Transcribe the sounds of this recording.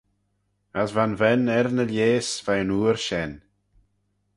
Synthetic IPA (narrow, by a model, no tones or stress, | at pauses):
asvanvɛnɛɾnəljeːsv̥ajənuːɾʃɛn